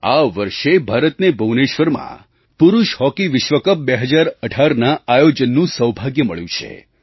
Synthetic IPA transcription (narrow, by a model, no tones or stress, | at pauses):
aʋəɾʃebʱaɾət̪nebʱəʋneʃʋəɾmã̰ | pʊɾuʃhɔkiʋɪʃʋəkəp̚beɦəd͡ʒaɾəʈʰaɾnaajod͡ʒənːũsəwbʱaɡjəməɭjũt͡ʃʰḛ